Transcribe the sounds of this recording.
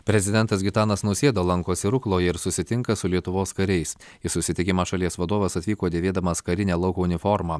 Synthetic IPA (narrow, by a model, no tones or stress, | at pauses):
pʲɾʲɛzʲɪd̪ʲɛnt̪ɐsɡʲɪt̪ɑːnɐsnʊsʲeːd̪oːlˠɐŋkoːsʲɪɾʊklˠoːjɛɪɾsʊsʲɪt̪ʲɪŋkɐsʊlʲiɛt̪ʊʋoːskɐɾʲɛɪs | ɪsʊsʲɪt̪ʲɪkʲɪmɑːʃɐlʲiɛsʋɐd̪oːʋɐsɐt̪ʲʋʲiːkoːd̪ʲeːʋʲeːd̪ɐmɐskɐɾʲɪnʲæːlˠɐʊkoːʊnʲɪfɔɾmɑː